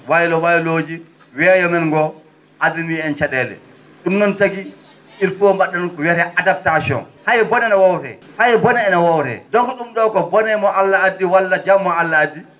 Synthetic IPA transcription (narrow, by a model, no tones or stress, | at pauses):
wajlɔwajloːd͡ʒi | wɛːjɔmɛnŋɡɔ | ʔadiniɛnt͡ʃaɗɛlɛ̰ | ɗumnɔntaɡi | ʔilfuɔmbaɗːɔnɔnkɔwɛɾɛʔadap̚tasiɔ̰nhajɛbɔnɛnawawɾɛ̰ | hajɛbɔnɛɛnawawtɛ̰dɔnkɔɗumɗɔːkɔbɔnɛmɔʔalːaadːiwalːad͡ʒamːɔalːaadːi